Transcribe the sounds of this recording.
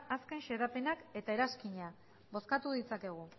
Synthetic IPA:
aske̞nʃe̞ɾape̞nake̞t̪ae̞ɾaskiɲa | bo̞skat̪uðit͡sake̞ɣ̞u

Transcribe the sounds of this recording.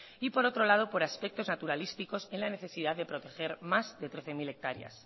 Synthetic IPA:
ipo̞ɾo̞t̪ɾo̞lað̞o̞po̞ɾaspe̞k̚t̪o̞znat̪uɾalist̪iko̞se̞nlane̞θe̞siðaððe̞pɾo̞t̪e̞xe̞ɾmazðe̞t̪ɾe̞θe̞mile̞k̚t̪aɾja̰s

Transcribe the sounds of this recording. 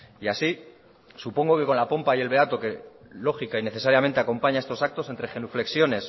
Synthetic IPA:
iasi | supo̞ŋɡo̞ke̞ko̞nlapo̞mpaje̞lβe̞at̪o̞ke̞ | lo̞xikaine̞θe̞saɾjament̪eako̞mpaɲae̞st̪o̞sak̚t̪o̞se̞nt̪ɾe̞xenufle̞ksjo̞ne̞s

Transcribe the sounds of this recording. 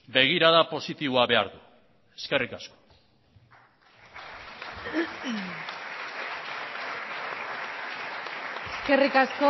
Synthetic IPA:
be̞ɣ̞iɾaðapo̞sit̪iβoaβe̞aɾðu | e̞ske̞rikasko | eske̞rikasko

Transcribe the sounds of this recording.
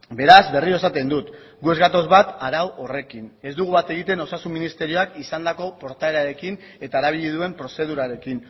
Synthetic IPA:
be̞ɾazβe̞rio̞sat̪e̞nd̪ut̪ | ɡue̞zɡat̪o̞zβat̪aɾawo̞re̞kine̞zd̪uɣuβat̪e̞ɣ̞it̪e̞no̞sasumːinist̪e̞ɾio̞akisand̪ako̞po̞ɾt̪ae̞ɾaɾe̞kin | e̞t̪aeɾaβ̞iʎið̞ue̞mpɾo̞se̞ð̞uɾaɾe̞kin

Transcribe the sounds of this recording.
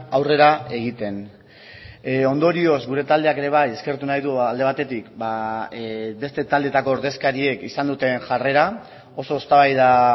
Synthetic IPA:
awre̞ɾae̞ɣ̞it̪e̞n | o̞nd̪o̞ɾio̞zɡuɾe̞t̪ald̪eake̞ɾe̞β̞aje̞ske̞ɾt̪unajðuald̪e̞β̞at̪e̞t̪ikba | be̞st̪e̞t̪ald̪et̪ako̞ːɾðe̞skaɾie̞kisand̪ut̪e̞nʝare̞ɾa | o̞so̞ːst̪aβajða

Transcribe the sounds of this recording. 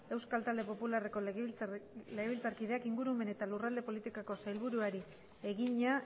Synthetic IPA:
e̞wskalt̪ald̪e̞po̞pulare̞ko̞ | leɣeilt͡saɾkiðe̞akiŋɡuɾume̞ne̞t̪alurald̪e̞po̞lit̪ikoko̞sajlβuɾuaɾi | e̞ɣiɲa

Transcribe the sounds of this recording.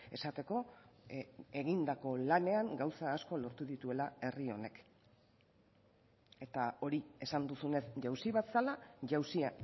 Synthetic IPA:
e̞sat̪e̞ko̞ | e̞ɣind̪ako̞lane̞aŋɡawsaːsko̞lo̞ɾt̪uðit̪ue̞lae̞rio̞ne̞k | e̞t̪ao̞ɾie̞sand̪usune̞sʝawsiβat̪salaʝawsi

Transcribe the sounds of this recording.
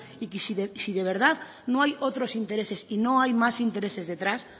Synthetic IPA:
ikisisiðeβ̞eɾð̞að | nõŋajot̪ɾosint̪eɾesesinõŋajmasint̪eɾesezðet̪ɾas

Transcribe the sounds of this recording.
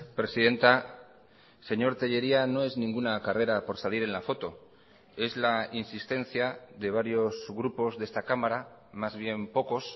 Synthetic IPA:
pɾe̞siðe̞nt̪a | se̞ɲo̞ɾt̪eʎe̞ɾiano̞e̞znĩŋɡunakare̞ɾapo̞ɾsaliɾe̞nlafo̞t̪o̞ | e̞zlainsist̪e̞n̟θjaðe̞β̞aɾjo̞zɣɾupo̞zðe̞st̪akamaɾa | mazβje̞mpo̞ko̞s

